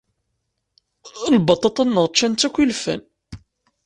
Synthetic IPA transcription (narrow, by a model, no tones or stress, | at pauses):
lbɑt̪ˤːɑt̪ˤːɑnːəʁt͡ʃːænt͡s̪ːækʷːilfæ̰n